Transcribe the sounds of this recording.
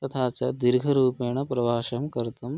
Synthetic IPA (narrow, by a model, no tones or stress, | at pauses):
t̪ɐt̪ʰaːt͡ʃɐd̪iɾɡʱɐɾuːeːɳɐpɾɐʋaːʃɐmkɐɾt̪um